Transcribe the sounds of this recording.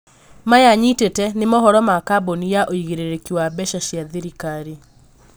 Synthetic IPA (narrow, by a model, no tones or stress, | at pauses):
majaɲitetɛnemɔɦɔɾɔmakabonijaʔoiɣeɾeɾekiwabɛʃaʃjaðeɾikaɾi